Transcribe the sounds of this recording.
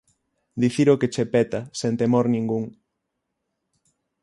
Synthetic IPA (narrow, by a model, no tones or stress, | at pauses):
d̪iθiɾoket͡ʃepɛt̪asent̪emoɾnĩŋɡuŋ